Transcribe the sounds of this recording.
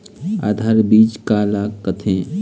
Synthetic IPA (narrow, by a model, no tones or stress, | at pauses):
a̰ːd̪ʱaːɾbiːd͡ʒkaːlaːkːət̪ʰẽː